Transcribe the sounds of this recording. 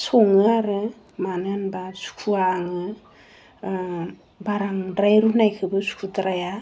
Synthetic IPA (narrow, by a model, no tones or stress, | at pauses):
sɔŋɯaɾɯ | manɯnbasu̥kʰuaŋɯ | baɾaŋdɾajɾunajkʰɯbɯsu̥kʰutɾaja